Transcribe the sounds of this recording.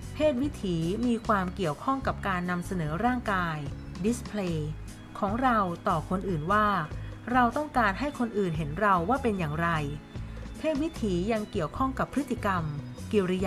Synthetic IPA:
pʰeː˥˩t̪̚wi˦˥t̪ʰiː˩˦miː˧kʰwaː˧mki˨˩əwkʰɔ˥˩ŋka˨˩p̚kaː˧nːa˧msa˧nɤː˩˦ɾaː˥˩ŋkaː˧j | di˦˥spʰleː˧ | kʰɔː˩˦ŋɾa˧wt̪ɔː˨˩kʰo˧nʔɯː˨˩nwaː˥˩ɾa˧wt̪ɔ˥˩ŋkaː˧nɦa˥˩jkʰo˧nʔɯː˨˩nɦe˩˦nɾa˧wːaː˥˩pe˧njaː˨˩ŋɾa˧jpʰeː˥˩t̪̚wi˦˥t̪ʰiː˩˦ja˧ŋki˨˩əwkʰɔ˥˩ŋka˨˩pʰːɾɯ˦˥t̪ʰːi˧˨ka˧mki˨˧ɾi˧j

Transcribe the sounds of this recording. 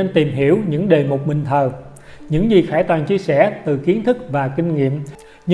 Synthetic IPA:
e˧nt̪i˨˩mɦi˧˩əwɲɨ̰˧˥ŋɗe˨˩mo˨˩t̚ɓï˨˩ŋ̟t̪ʰəː˨˩ | ɲɨ̰˧˥ŋzi˨˩xaː˧˩jt̪waː˨˩nt͡ɕi˧əsɛ̰˧˥t̪ɨ˨˩ki˨˦ənt̪ʰɨ˦˥k̚vaː˨˩kï˧ŋ̟ŋḭ˧˨əm | ɲɨ˧

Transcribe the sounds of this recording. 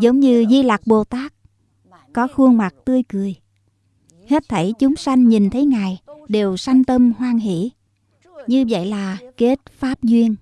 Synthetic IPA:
zə˨˦wŋ͡mɲɨ˧zi˧la˨˩k̚ɓo˨˩t̪aː˦˥k̚ː | ɔ˨˦xu˧əŋma˨˩k̚t̪ɨ˧əjkɨ˨˩əj | he˦˥t̚t̪ʰə˧˩jt͡ɕʊ˨˦ŋ͡msa˧jŋ̟ɲi˨˩nt̪ʰə˨˦jŋaː˨˩jɗe˨˩wsa˧jŋ̟t̪ə˧mhwaː˧ŋɦḭ˧˩˨ | ɲɨ˧və̰˧˨jlaː˨˩ke˦˥t̚faː˦˥p̚zwi˧ən

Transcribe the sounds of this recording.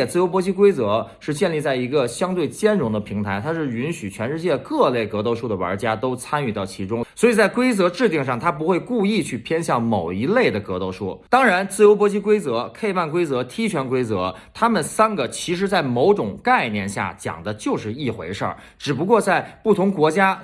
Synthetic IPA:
ɛ˥˩t͡sɹ̩˥˩jo˧˥ʊpwɔ˧˥t͡ɕʰi˧˥k̬we˥ɪt͡sɤ˧˥ʂɻ̩˥˧t͡ɕjɛ˥˧nli˥˧t͡sa˥˩ɪi˧˥ɡə˧ɕjɑ˥ŋt̪we˥˩ɪt͡ɕjɛ˥nɻʊ˧˥ŋd̪ə˧pʰi˧˥ŋt̪ʰa˧˥ɪt̪ʰa˥ʂɻ̩˥˩y˧˥nɕy˨˩t͡ɕʰɥɛ˧˥nʂɻ̩˥˧t͡ɕjɛ˥˩kɤ˥˧le˥˩ɪkɤ˧˥t̪o˧ʊʂu˥˩d̪ə˩wɐ̰˞˧˥t͡ɕja˥t̪o˥ʊt͡sʰa˥ny˥˩t̪ɑ˥˩ʊt͡ɕʰi˧˥ʈ͡ʂʊ˥ŋswɔ˧˥i˨˩t͡sa˥˩ɪkwe˥ɪt͡sɤ˧˥ʈ͡ʂɻ̩˥˧t̪i˥˧ŋʂɑ˥˩ŋt̪ʰa˥p̬u˧˥xwe˥˧ɪku˥˧i˥˧t͡ɕʰy˥˩pʰjɛ˥nɕjɑ˥˩ŋmo˨˩ʊi˧˥le˥˩ɪd̪ə˩kɤ˧˥t̪o˥˧ʊʂu˥˩t̪ɑ˥ŋɻa˧˥nt͡sɹ̩˥˩jo˧˥ʊp̬wɔ˧˥t͡ɕʰi˧˥kwe˥ɪt͡sɤ˧˥kʰe˥˧ɪpa˥˩nkwe˥ɪt͡sɤ˧˥t̪ʰi˥t͡ɕʰɥɛ˧˥nkwe˥ɪt͡sɤ˧˥t̪ʰa˥mə˨nsa˥nɡə˨t͡ɕʰi˧˥ʂ̬ɻ̩˧˥t͡sa˥˩ɪmo˧˥ʊʈ͡ʂʊ˨˩ŋka˥˧˩ɪnjɛ˥˧nɕja̰˥˩t͡ɕjɑ̰˨˩ŋd̪ə˦t͡ɕjo˥˧ʊʂɻ̩˥˧i˥˩xwe˧˥ɪʂə̰˞˥˩ | ʈ͡ʂɻ̩˨˩p̬u˧˥kwɔ˥˧t͡sa˥˩ɪpu˥˩t̪ʰʊ˧˥ŋkwɔ˧˥t͡ɕja˥

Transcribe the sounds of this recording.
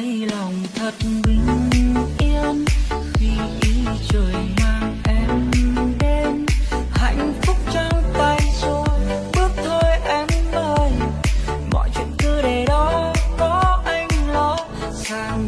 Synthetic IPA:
jla˨˩wŋ͡mt̪ʰə˨˩t̚ɓi˨˩˦ŋʔi˧ənxi˧ʔi˨˦ | t͡ɕəː˨˩jmaː˧ŋʔɛ˧mɗe˧˦nha̰˧˨jŋ̟fʊ˦˥k͡p̚t͡ɕaː˧ŋt̪aː˧jso˧ | ɓɨ˦˥ək̚t̪ʰo˧jʔɛ˧mʔəː˧jmɔ̰˧˨jt͡ɕwḭ˧˨ənk̪ɨ˧ɗe˨˩ɗɔ˨˦kɔ˨˦ʔa˧jŋ̟lɔ˨˦ | saː˧ŋ

